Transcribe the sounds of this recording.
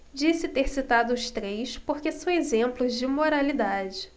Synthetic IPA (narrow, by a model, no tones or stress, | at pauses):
d͡ʒisɪt̪eɾsit̪ad̪ʊʊʃt̪ɾejspoɾkesɐ̃w̃ezẽmplʊzd͡ʒɪmoɾalid̪ad͡ʒɪ